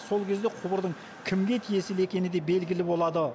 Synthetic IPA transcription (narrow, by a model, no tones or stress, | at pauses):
so̞lˠkʲʰe̞zd̪eqʰʊbəɾd̪əɴ | kʲʰɪmɡʲe̞t̪ʰije̞sɪle̞kʲe̞nɪd̪ebe̞lɡʲɪlɪbo̞lˠɑd̪ə